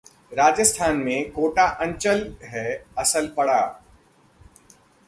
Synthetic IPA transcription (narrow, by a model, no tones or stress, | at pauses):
ɾaːd͡ʒəst̪ʰaːnmẽkoːʈaʔɐ̃ɲt͡ʃəlɦɛɐsəlpɐɽaː